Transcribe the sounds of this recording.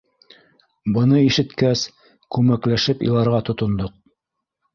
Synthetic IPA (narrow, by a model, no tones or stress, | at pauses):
bɤ̆nɤiʃɘ̆t̪kæs | kʉmæklæʃɘpḭlˠɑɾʁɑt̪ŏt̪ŏnd̪oq̚